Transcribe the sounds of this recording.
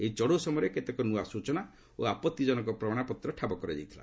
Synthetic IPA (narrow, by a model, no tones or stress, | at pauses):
eit͡ʃɔɽosɔmɔjɾeket̪ekɔnuasut͡ʃɔna | o̰apɔt̪ːid͡ʒɔnɔŋkɔpɾɔmaɽ̃apɔt̪ɾɔʈʰabɔkɔɾed͡ʒa̰jt̪ʰila̰